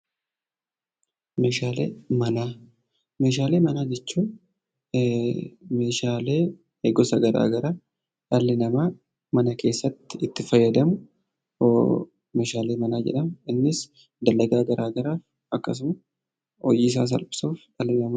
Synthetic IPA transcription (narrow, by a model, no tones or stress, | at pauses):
me̞ːʃaːlḛːmɐnaː | me̞ːʃaːle̞ːmɐnaːd͡ʒɛt͡ʃːuː | me̞ːʃaːle̞ː | heɡɔsɐɡɐɾa̰ːɡɐɾaː | ᶑɐlːɪnɐma | mɐnɐkʰe̞ːsːɐt̪ːɪɪt̪ːɪfɐjːɐd̪ɐmʊ | me̞ːʃaːle̞ːmɐnaːd͡ʒɛ̰ᶑɐmɪnːɪs | d̪ɐlːɐɡaːɡɐɾʔaːɡɐɾaːf | ɐkːɐs̬ʊmɐ | ɔ̰jɪːɪs̬a̰ːs̬ɐ̰lpʼɪ̥suːfᶑɐlːɪnɐm